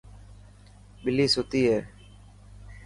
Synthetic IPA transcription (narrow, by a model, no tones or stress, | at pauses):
ɓɪliːsoːt̪iːɦɛː